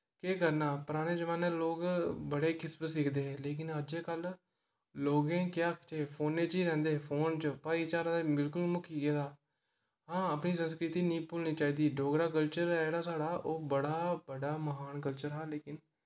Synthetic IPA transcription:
keːkəɾnaːpəɾaːneːd͡ʒəʋaːneːloːɡbəɽeːkɪsbsɪkʰd̪eːɦɛːleːkɪnəd͡ʒeːkəl | loːɡẽːkjaːkʰt͡ʃepʰoːnːeːt͡ʃiːɾɛ̃ːnd̪eːpʰoːnt͡ʃəpaːiːt͡ʃaːɾãːd̪abɪlkʊlmʊkʰiːɡɛːd̪aː | ɦãːəpɳiːsənskɾɪt̪iːnĩːpʊːlniːt͡ʃaːiːd̪iːɖoːɡɾaːk̬əlt͡ʃəɾɛːɽaːsaːɽaːʔoːbəɽaːbəɽaːməɦaːnkəlt͡ʃəɾɦaːleːkɪn

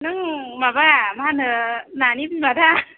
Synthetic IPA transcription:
nɯŋmabaamaanɯnanibimada

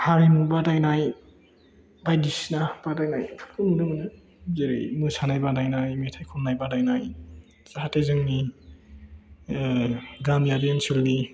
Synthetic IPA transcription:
haɾimubadajnaj | bajdisnab̥adajnajpʰkʰumdɯmnɯ | zeɾḛjmusanajbadajnajmetʰajkʰumnajbadajnaj | zahatezɯŋni | ɡamjadiensulni

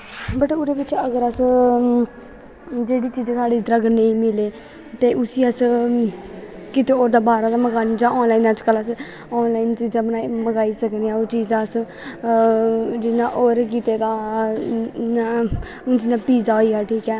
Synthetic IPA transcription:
bəʈʊɾeːbɪt͡ʃəɡəɾəs | d͡ʒeːɽiːt͡ʃiːd͡ʒẽːsaːɖiːd̪ɾəɡəneĩːmɪleː | t̪eːʔʊsiːəs | kɪt̪eːoːɾd̪aːbaːɾaːd̪aːməɡaːnid͡ʒãːɔːnlaːiːnət͡ʃkələs | ɔːnlaːiːnt͡ʃəd͡ʒəbnaːməɡaːiːsəkneːaːoːt͡ʃiːzaəs | d͡ʒɪnãːʔoːɾk̬iːt̪eːd̪aː | aː | ʊnt͡ʃɪnãːpiːzaːoːiːaːʈʰiːkɛː

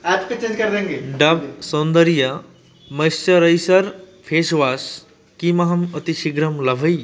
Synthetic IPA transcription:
ɛːpket͡ʃẽd͡ʒkɐɾd̪ẽːŋɡeɖɐbsond̪əɾija | mɐjsɐɾəjsɐɾ | pʰeːsʋaːs | kimɐɦɐmɐt̪iʃiɡɾɐmlɐbʱəj

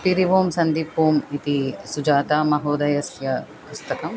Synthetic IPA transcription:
piɾiʋoːmsɐnd̪ipːuːmit̪isud͡ʒaːt̪aːmɐɦoːd̪ɐjɐsjɐ | pust̪ɐkɐm

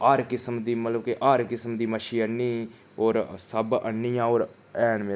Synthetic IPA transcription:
aːɾkɪsmd̪iːmət̪ləbkeʔaːɾkɪsmd̪iːməʃiːənːiː | oːɾsəbə̰nːijãːoːɾ | ɛːnmeː

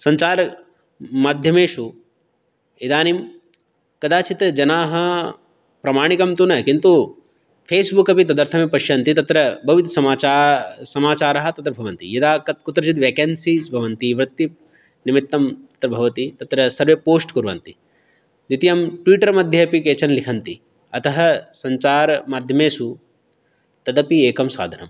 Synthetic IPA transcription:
sɐɲt͡ʃaːɾɐ | mad̪ʱjɐmeːʃu | id̪aːnim | kɐd̪aːt͡ʃit̪d͡ʒɐnaːɦɐ | pɾɐmaːɳikɐmt̪unɐkint̪u | pʰeːsbukɐpit̪ɐd̪ɐɾt̪ʰɐmeːpɐʃjɐnt̪it̪ɐt̪ɾɐbʱɐʋit̪sɐmaːt͡ʃaːsɐmaːt͡ʃaːɾɐɦɐ̆t̪ɐt̪ɾɐbʱɐʋɐnt̪ḭjɐd̪aːkɐt̪̚kut̪ːɾɐt͡ʃit̪̬ʋeːkɐnsiːzbʱɐʋɐnt̪iʋɾɐt̪ːi | nimit̪ːɐmt̪ɐ̥t̪ɾɐbʱɐʋɐt̪it̪ɐt̪ɾɐsɐɾʋeːpoːsʈkuɾʋɐ̰nt̪i | d̪it̪ijɐmʈʋiːʈɐɾmɐd̪ʱjɐɐpikeːt͡ʃɐnlikʰɐnt̪i | ɐt̪ɐɦɐsɐɲt͡ʃaːɾɐmaːd̪ʱjɐmeːsu | t̪ɐd̪ɐpieːkɐmsa̰ːd̪ʱɐnɐm

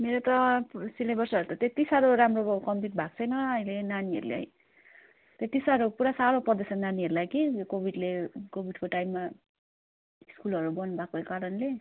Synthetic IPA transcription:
meɾot̪ʌpsilebʌrsʌɾut̪ʌt̪et̪isaɾoɾamrokʌmpiʈ̚bʱak̚t͡sʰʌjnʌʌilenaniʌ̰ɾulḛɦʌ̰j | t̪et̪isaɾopuɾasaɾoprʌrd̪esʌnaniɦʌɾulajkikobʱiɖlekobʱiɖkoʈajmːa | iskulʌɾubʌnbʱakokaɾʌnle

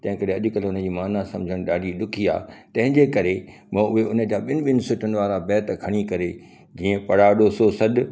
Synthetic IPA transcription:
t̪ɐ̃ɦɪ̃kɐɾeɐʄʊ̆kɐlʊnəd͡ʑiːmaːnasɐ̃md͡ʑʱəɽ̃ɗaːɖʱiɗʊkʰia̰ːt̪ɐ̃ɦɪ̃ɲd͡ʑekɐɾe | mãːʊɦeʊnəd͡ʑaːɓɪnɪɓɪnɪ̆sʊʈənɪ̆ʋaːɾabɛːt̪kʰɐɽ̃ikɐɾe | d͡ʑiːə̃pɐɽaɗoːsosɐd̪

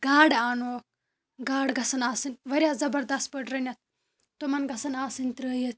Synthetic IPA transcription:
ɡaːɽaːnoː | ɡaːɽɡɐsɐnaːsinʋɐɾjaːzɐbɐɾd̪ɐst̪̚pɐʈɾɐnʲjat̪̚ʰ | t̪omɐnɡʱɐsɐnaːsint̪ɾəːijət̪ʰ

